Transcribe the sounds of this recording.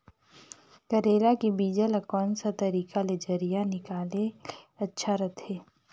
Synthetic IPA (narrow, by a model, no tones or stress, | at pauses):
kɐɾeːlakibiːd͡ʒəlakɔːnsat̪ɐɾiːkaled͡ʒɐɾijanɪkaːleɐtːʃʰaɾɐt̪ʰɦeː